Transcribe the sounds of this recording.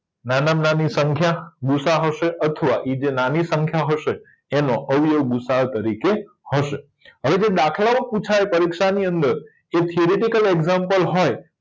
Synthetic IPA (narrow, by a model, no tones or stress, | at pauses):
nanamnanisəŋkʰjaɡusaɦəʃeʔət̪ʰəʋaʔid͡ʒenanisəŋkʰjaɦəʃe | enõʔəʋijəʋɡusat̪əɾike | həʃe | əʋed͡ʒed̪akʰlamãput͡ʃʰaepəɾikʃaniənd̪əɾ | et̪ʰioɾeʈikəleɡzampəlɦoj